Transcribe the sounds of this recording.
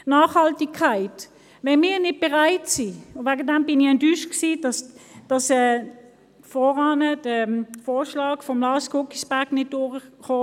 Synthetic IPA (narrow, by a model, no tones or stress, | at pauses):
nɑːχhɑltɪkkʰːaɪt | vɛnmiːɐnɪt̚b̥ɛʁaɪtsiʊʋæɡədæmbɪnɪɛntyːʃksiːdɑsd̥ɑsɛː | fɔʁɑːnəd̥əfoːʃlɑːɡ̥fɔmlɑːskʊkisb̥æɐɡnɪt̚d̥ʊːʁəχoː